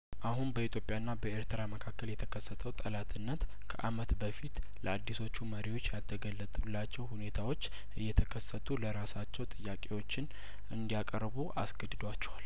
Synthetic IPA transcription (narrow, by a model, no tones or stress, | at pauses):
ʔaɦunbəit̪ʰjo̞pʼjanːabəeɾt̪ʰɨɾaməkʰakːəljɛt̪ʰəkʰəsːət̪ʰəwt̪ʼəlat̪ʰɨnːət̪ | kʰəʔamət̪bəfit̪ | ləad̪ːiso̞t͡ʃːuməɾiwo̞t͡ʃːjalt̪ʰəɡəlːət̪ʼulːat͡ʃːɛwhune̞t̪ʰawo̞t͡ʃː | ʔɨjːɛt̪ʰəkʰəsːət̪ʰuləɾasat͡ʃːɛwt̪ʼɨjːakʼe̞wo̞t͡ʃːɪn | ʔɨnd̪ijakʼəɾbuʔasɡəd̪ɨd̪wat͡ʃːɛ̥wal